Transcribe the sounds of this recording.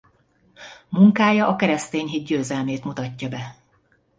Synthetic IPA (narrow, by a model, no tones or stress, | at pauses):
muŋkaːjɒʔɒkɛɾɛst̪eːɲɦid̪̚ɟøːzɛlmeːt̪mut̪ɒcːɒbɛ